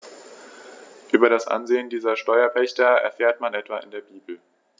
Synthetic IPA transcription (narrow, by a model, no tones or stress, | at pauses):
ʔyːbɐɾasʔa̰nzeːəndiːzɐʃtɔʏɐpɛçtɐɛ̰ɐfɛːɐtmanɛtv̥aʔɪ̰ndeːɐbiːbl̩